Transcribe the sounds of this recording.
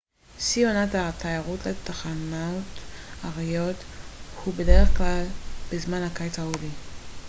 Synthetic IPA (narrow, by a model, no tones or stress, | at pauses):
sionathatʰajaʁutletaχanotaʁijo̞thubede̞ʁeχklalb̥ezmanhakajt͡saudi